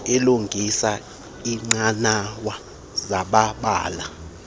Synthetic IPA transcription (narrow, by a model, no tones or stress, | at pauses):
ɛluŋɡʱisa | iŋ͡ǀanawa | zaɓaɓa̰ːla